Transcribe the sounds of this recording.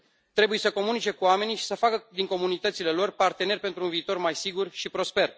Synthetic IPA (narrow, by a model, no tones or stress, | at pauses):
t̪ɾe̞buje̞səko̞munit͡ʃe̞kuame̞niʃi̥səfakəd̪iŋko̞munit̪ət̪sile̞lo̞rpart̪e̞ne̞rʲpe̞nt̪ɾunviːt̪o̞rmajsiɡurʃipɾo̞spe̞r